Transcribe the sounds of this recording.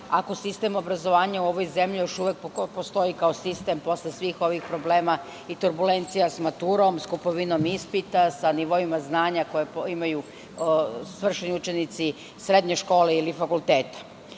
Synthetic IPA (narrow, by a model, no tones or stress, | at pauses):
ako̞sist̪emo̞bɾazo̞ʋaːɲauo̞ʋo̞jze̞mʎijo̞ʃuʋek̚post̪o̞ikaosist̪e̞mpo̞slesʋiːxo̞ʋixpɾo̞ble̞ːma | it̪uɾbule̞nt̪sijasmat̪uɾo̞mskupo̞ʋino̞mispit̪asaniʋo̞imaznaːɲako̞jepimaju | sʋr̩ʃeniut͡ʃe̞nit̪si | sɾe̞d̪ɲe̞ʃko̞ːleilifakulˠt̪eːt̪ḁ